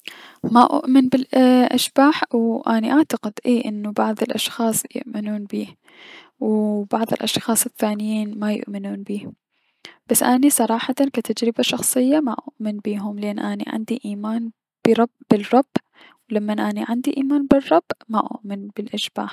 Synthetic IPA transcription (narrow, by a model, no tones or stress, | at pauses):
maʔʊ̰ʔmɪnbɪlʔa̰ʃbaːħwʔaniʔaʕt̪aqɪd̪ʔeːʔɪnːubɑʕðˤɪlʔɑʃxɑːsˤjʊ̰ʔmɪnuːnbiː | wbɑʕðˤɨ̰lʔɑʃxɑːsˤɪθːaːnɪjiːnmajʊ̰ʔmɪnuːnbiː | b̥asːʔanisˤɑɾˤɑːħɑt̪ankat̪ad͡ʒɾɪbaʃɑxsˤɨjːamaʔʊʔmɪnbiːɦʊmlʔeːnːʔanḭʕa̰nd̪iʔiːmaːn | b̥ɪɾˤɑbbɪrˤːɑb̥ː | wlamːanʔaniʕand̪iʔiːmaːnbɪrˤːɑb̥ːmaʔʊ̰ʔmɪnbɪlʔaʃb̥a̰ːħ